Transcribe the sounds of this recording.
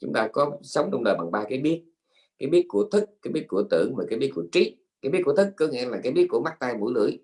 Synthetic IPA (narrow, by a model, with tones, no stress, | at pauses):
t͡ɕʊ̰˨˧˥ŋ͡mt̪aː˧kɔ˨˦sə˨˦wŋ͡mt͡ɕɔ˧wŋ͡mɗəː˨˩jɓa̰˨˩ŋɓaː˧kaː˨˦jɓi˦˥ət̚ | kaː˨˦jɓi˦˥ət̚ku˧˩ət̪ʰɨ˦˥k̚kːaː˨˦jɓi˦˥ət̚ku˧˩ət̪ɨ̰˧˩əŋvaː˨˩kaː˨˦jɓi˦˥ət̚ku˧˩ət͡ɕi˦˥t̚ | kaː˨˦jɓi˦˥t̚ku˧˥ə˧t̪ʰɨ˦˥kːɔ˧˦ŋḭ˧˥laː˨˩kaː˨˦ɓi˦˥ət̚ku˧˩əma˦˥k̚t̪a˧jmṵ˧˥lɨ̰˧˩˥əj